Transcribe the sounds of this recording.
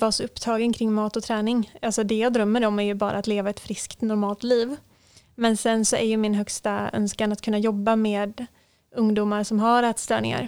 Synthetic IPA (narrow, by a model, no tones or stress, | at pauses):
vɑːsɔɵpːt̪ʰɑːɡənkʰɾɪŋːmɑːt̪ɔt̪ʰɾɛːnɪŋalsɔd̪ɛjɑːɡd̪ɾœmːəɾɔmæɾjɵbɑ̰ːɾʔa̰ːt̪leːvaɛt̪fɾɪskt̪nɔɾmɑːlt̪liːv | mɛnsɛnsɔʔæɾjɵmɪnɦœkst̪aœ̰nskanat̪kʰɵnːajɔbːameːd̪ | ɵŋd̪uːmaɾʂɔmɦaɾɛːt̪st̪ɾœ̰ːɳɪ̰ŋa̰ɾ